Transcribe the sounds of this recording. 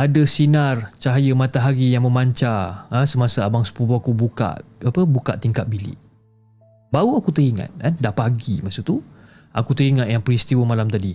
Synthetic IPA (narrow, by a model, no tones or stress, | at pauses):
adəsinart͡ʃaɦajəmat̪aɦaɡijaŋmə̃maɲt͡ʃaəsəmasaabaŋsu̥pubuakubuka̰t̪̚apəbuka̰ʔ̚t̪iŋkat̪̚bilḭʔ | bauakut̪əɾiŋa̰t̪̚kandaʔpaɡiməsut̪u | ʔakut̪əɾiŋat̪̚jaŋpɾist̪iwəmalamt̪adi